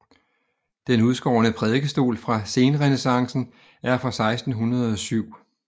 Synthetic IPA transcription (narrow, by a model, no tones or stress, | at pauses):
d̥enuðˠsɡ̥ɒ̰ːnəpʰʁɛð̞ˠɡ̥əsd̥o̝̰ːlfʁɑ̈se̝ːnəʁɛnesɑ̈ŋsn̩ | æɐfʁɑ̈sɑ̈ɪsd̥n̩ɦunɐð̞̩ˠɒ̽syʊ̰